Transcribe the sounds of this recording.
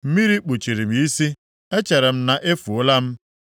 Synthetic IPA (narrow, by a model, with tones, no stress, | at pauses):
m̩˦mi˦ɾi˦k͡pu˨t͡ʃi˨ɾi˨m̩˨˦i˦si˦ | e˦t͡ʃe˨ɾe˨m̩˦na˨ʔe˦fu˨ʊ˦la˦m̩˦